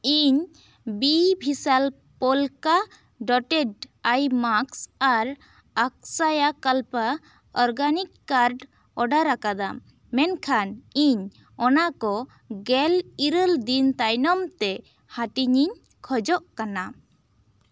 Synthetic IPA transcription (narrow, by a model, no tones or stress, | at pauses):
iɲ | bibʱisal | pɔlka | ɖɔʈɛɖajmaksaɾ | ak̚sajakalpa | ɔɾɡanikːaɾɖ | ɔɖaɾakad̪a̰ | mɛnkʰaniɲ | ɔnakɔ | ɡɛliɾəld̪int̪ajnɔmt̪ɛ | haʈiɲiɲ | kʰɔd͡ʒɔʔkana